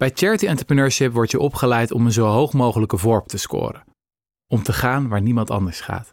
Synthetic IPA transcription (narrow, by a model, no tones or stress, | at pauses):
b̥ɛjt͡ʃɛɹətiɑntəɹprənøːɹʃɪpʋɔɹtəʔɔpχəlɛjtɔmənzowɦowχmowχələkəvɔɹp̚təskʊ̰ːɾə | ɔmtəχaːnʋaːɹnimɑntɑ̰ndəɹsχa̰ːt